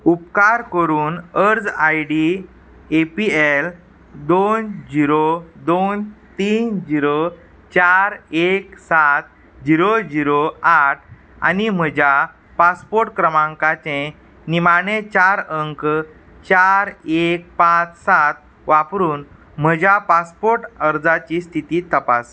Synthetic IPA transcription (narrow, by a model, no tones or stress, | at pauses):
upkaɾkəɾuːnəɾd͡zajɽi | epiel | d̪ond͡ʑiɾod̪ont̪iːnd͡ʑiɾo | t͡ɕaɾeksat̪ | d͡ʑiɾod͡ʑiɾoaʈʰ | a̰nim̤əd͡ʑa | paspoɾʈkɾəmãŋkat͡ɕẽ | nimaɳet͡ɕaɾəŋk | t͡ɕaɾek̚pãt͡ssat̪̚ | ʋapɾuːn | m̤əd͡ʑjapaspoɾʈəɾd͡zat͡ɕist̪ʰit̪iːt̪əpas